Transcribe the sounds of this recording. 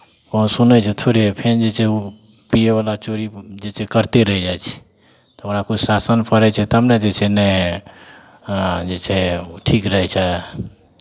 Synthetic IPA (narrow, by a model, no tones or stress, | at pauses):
kəũsunət͡ʃʰɛt̪ʰoɾepʰend͡ʒet͡ʃʰɛu | pieβalat͡ʃoɾid͡ʒet͡ʃʰɛkəɾt̪eɾəɦɛd͡ʒajt͡ʃʰɛ̥ | t̪ɔoɾakut͡ʃʰsasənpʰəɾɛt͡ʃʰɛt̪əmned͡ʒet͡ʃʰɛnɛ | d͡ʒet͡ʃʰɛʈʰikɾəɦɛt͡ʃʰɛ